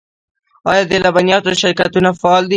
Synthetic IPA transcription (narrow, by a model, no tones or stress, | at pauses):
ɑjɑd̪elabanjɑt̪oʃɪɾkat̪unafɑːld̪i